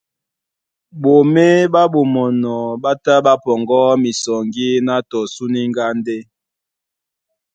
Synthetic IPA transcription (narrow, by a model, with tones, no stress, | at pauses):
bo˨me˦ba˦bo˨mɔ˨nɔ˨ba˦ta˦ba˦pɔ˨ŋɡɔ˦mi˨sɔ˨ŋɡi˦na˦tɔ˨su˦ni˦ŋɡa˦nde˦